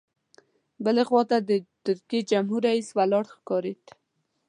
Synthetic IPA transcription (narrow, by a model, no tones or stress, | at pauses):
bəlexwɑt̪ad̪ət̪ʊɾked͡ʒamɦuɾaiswalɑɽxkɑɾet̪